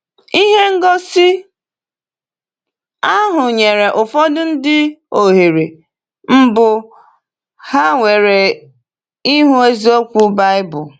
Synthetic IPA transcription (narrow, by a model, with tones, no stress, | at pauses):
i˦ɦe˦ŋ̩˦ɡɔ˦sɪ˦ | a˦ɦʊ˨ɲe˨ɾe˨ʔʊ˨fɔ˦dʊ˦n̩˦dɪ˦o˨ɦe˨ɾe˨ | m̩˦bʊ˨ | ha˦ŋʷe˨ɾe˨ | i˦ɦu˦e˦zi˦o˦kʷu˦ba˦ɪ˦bʊ˨